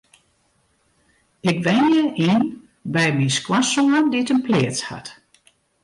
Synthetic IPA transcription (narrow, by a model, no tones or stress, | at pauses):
ɪkʋɛnjəʔin | bɛjminskwasoənditənplɪːtsha̰t